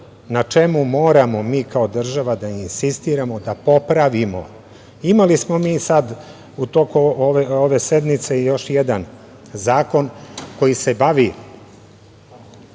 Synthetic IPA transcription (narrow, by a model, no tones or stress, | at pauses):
nat͡ʃe̞mumo̞ːɾamo̞miːkao̞d̪r̩ʒaʋad̪ainsist̪iɾamo̞d̪apo̞pɾaʋimo̞̰ | imalismo̞miːsad̪ | ut̪o̞kuoeoʋe̞se̞d̪mit̪seijo̞ʃjed̪an | zaːko̞nko̞jise̞baʋi